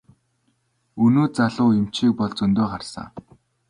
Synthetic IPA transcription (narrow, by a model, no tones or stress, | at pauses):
ɵnoːt͡saɮʊːem̥t͡ɕiːk̚pɔɮt͡sɵnt̪oːχarsa̰ː